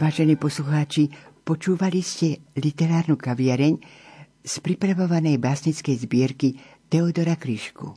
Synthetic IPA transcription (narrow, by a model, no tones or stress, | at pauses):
aːʒɛniːpɔsluxaːt͡ʃipɔt͡ʃuːʋaliscɛlit̪ɛɾaːɾnukaʋɪɛɾɛɲ | spɾipɾaʋɔʋanɛjbaːsɲit͡skɛjzbɪɛɾki | t̪ɛɔd̪ɔɾakɾiʃkṵ